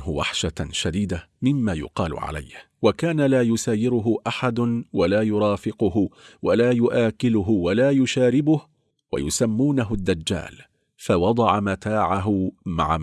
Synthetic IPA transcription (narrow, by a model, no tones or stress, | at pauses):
ɦʊwa̰ħʃaʃad̪iːd̪amɪmːaːjʊ̰qɑːlʊ̰ʕa̰la̰jh | wakaːnalaːjʊsaːjːɪɾʊɦʊʔaħad̪ʊwalaːjʊɾˤɑːfɪqʊhʊwalaːjʊʔaːkɪlʊɦʊwalaːjʊʃaːɾɪbʊh | wa̰jʊsamːuːnaɦʊd̪ːad͡ʒːa̰ːl | fawɑd̪ˤɑʕamat̪aːʕaɦʊma̰ʕa